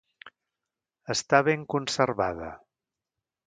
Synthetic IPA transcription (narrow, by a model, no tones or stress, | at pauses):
əst̪aβeŋkunsəɾβaðə̰